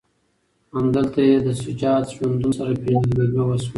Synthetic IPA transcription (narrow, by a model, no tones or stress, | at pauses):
hamd̪əlt̪ajed̪əsʊt͡ʃɑt̪ʒwand̪unosaɾapezd̪ɡaɡawaswa